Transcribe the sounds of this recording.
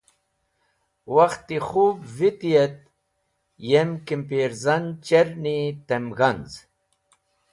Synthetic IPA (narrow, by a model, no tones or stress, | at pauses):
waxt̪ːixubvit̪ijet̪̚ | jemkimpeɾzɐnt͡ɕeɾnit̪emɣanz